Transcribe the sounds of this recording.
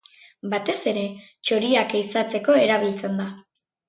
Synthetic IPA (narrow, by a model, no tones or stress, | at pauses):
bat̪e̞se̞ɾe̞t͡ʃo̞ɾiakeisat͡se̞ko̞e̞ɾaβ̞ilt͡se̞nd̪a